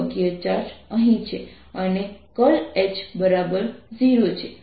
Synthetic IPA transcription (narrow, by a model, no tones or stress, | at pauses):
ɡjət͡ʃaɾʃəɦĩt͡ʃʰe | ənekəlet͡ʃbəɾabəɾd͡ʒiɾot͡ʃʰe